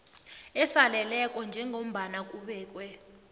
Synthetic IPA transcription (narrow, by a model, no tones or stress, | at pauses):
ɛsalɛlɛkʼɔnd͡ʒʱɛŋʱom̩ɓanak̬ʼuɓɛːk̬ʼwɛ